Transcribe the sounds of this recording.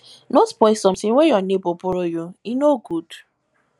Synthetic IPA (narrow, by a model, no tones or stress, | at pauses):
nospɔjsɔm̩siŋʷejɔnepopʊɾojuinoɡud